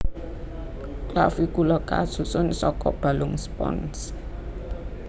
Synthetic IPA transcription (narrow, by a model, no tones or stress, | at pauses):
klafikulɔka̰susʊnsɔkɔb̥a̤lʊŋspɔ̰ns